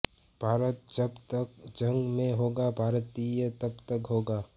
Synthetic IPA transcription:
b̥ʱaːɾət̪̚d͡ʒɐbt̪əkd͡ʒɐ̃ŋɡmẽɦoːɡabʱaːɾt̪ijət̪ɐbt̪əkɦoːɡaː

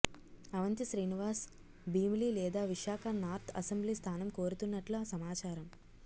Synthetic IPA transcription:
ɐʋɐnt̪iʃɾiːniʋaːs | biːmliːlɛːd̪aːʋiʂaːkʰɐnaːɾt̪ʰɐsembliːst̪ʰaːnɐmko̞ːɾut̪unːɐʈluasɐmaːt͡ʃaːɾɐm

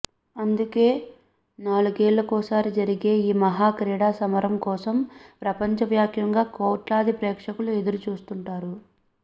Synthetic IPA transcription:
ɐnd̪uke̞ː | naːluɡeːɭːɐkɔːsaːɾid͡ʒɐɾiɡe̞ːiːmɐɦaːkɾiːɽaːsɐmɐɾɐmkɔːsɐmpɾɐpɐɲt͡ʃɐʋjaːkʰjɐŋɡaːkoːʈlaːd̪ʱipɾɛːkʂɐkulue̞d̪uɾut͡ʃuːst̪uɳʈaːɾu

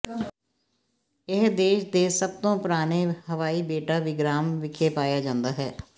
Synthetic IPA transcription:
ɪɦd̪eːʃd̪eːsəb̚t̪õːpʊɾaːneːhəʋaːiːbeːʈaːʋiːɡɾaːmʋɪkʰeːpaːjaːd͡ʒãːnd̪aːɦɛ̰ː

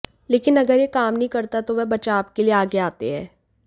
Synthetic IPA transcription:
leːkɪnɐɡəɾjekaːmnəɦĩkɐɾt̪at̪oʋɛɦbɐt͡ʃaːp̚kelieaːɡeaːt̪eɦɛː

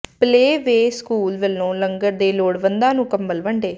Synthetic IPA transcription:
pleːʋeːskuːlʋɪlnõːləŋɡəɾd̪eːloːɽʋənd̪aːnũːkɐmbəlʋəɳɖeː

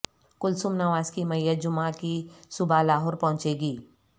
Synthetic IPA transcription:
kʊlsʊmnaʋaːzkimɐjːət̪̚d͡ʒʊmãkisʊbʱalaːɦɔːɾpɐɦʊ̃t͡ʃeːɡiː

